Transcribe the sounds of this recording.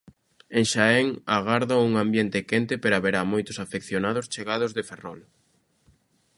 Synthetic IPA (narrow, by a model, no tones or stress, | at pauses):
eŋʃaɛŋaɣaɾðauŋambjɛnt̪ɪkɛnt̪ɪpeɾaβeɾamojt̪ʊsafekθjonaðʊst͡ʃeɣað̞ʊzðeferɔl